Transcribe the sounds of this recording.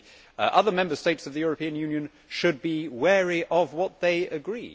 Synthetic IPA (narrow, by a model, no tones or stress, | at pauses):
ʔʌðəmɛ̃mbəsteɪtsʌvðɨjʊɹəpĩɨ̃njʉ̃njɨ̃n | ʃɨd̚biwɛɹiʔəvwɒt̪̚ðeɪɨɡɹḭ